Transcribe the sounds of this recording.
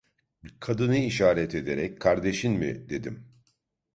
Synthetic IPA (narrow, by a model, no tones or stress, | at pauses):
kʰad̪ɯnɯiʃaːɾɛt̪ʰe̞d̪e̞ɾɛckʰaɾd̪e̞ʃinmiɪ̰d̪e̞d̪ḭm